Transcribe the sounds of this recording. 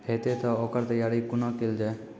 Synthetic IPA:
ɦeːt̪et̪ɔoːkəɾt̪əjaːɾiːkʊnɔːkeld͡ʒaː

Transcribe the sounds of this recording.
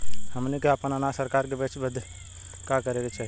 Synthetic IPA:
həmnikeəpənənasəɾkaɾkebet͡ʃbəd̪ʱ | kakəɾelet͡ʃʰɛ

